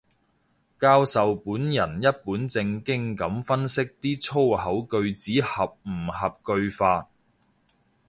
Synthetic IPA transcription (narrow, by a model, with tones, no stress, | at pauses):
kaː˧wsɐ˨wpuː˨˥njɐ˨˩njɐ˥t̚puː˨˥nt͡sɪ˧ŋkɪ˥ŋkɐ˨˥mfɐ˥nsɪ˥k̚t̪iː˥t͡sʰo˥whɐ˨˥wkɵ˧ɥt͡siː˨˥hɐ˨p̚m̩˨˩hɐ˨p̚kɵ˧ɥfaː˧t̚